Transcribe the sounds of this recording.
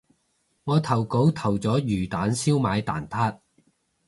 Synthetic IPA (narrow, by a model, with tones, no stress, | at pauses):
ŋɔː˨˧t̪ʰɐ˨˩wko˨˥wt̪ʰɐ˨˩wt͡sɔː˨˥jyː˨˩t̪aː˨˥nsiː˥wmaː˨˧jt̪a̰ː˨˩nt̪ʰaː˥t̚